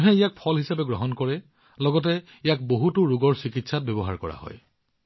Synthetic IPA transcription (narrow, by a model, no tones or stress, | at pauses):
ɦɛijak̚pʰɔlɦisapɛɡɹɔɦɔnkɔɹɛ | lɔɡɔt̬ɛ | ijak̚boɦutʊɹuɡɔɹsikitsat̚bebɔɦa̰ɹkɔɹa̰ɦɔ̰j